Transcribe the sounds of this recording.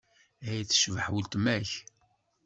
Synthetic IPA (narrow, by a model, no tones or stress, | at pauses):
æjθːə̥ʃvəħwəlt̪mæç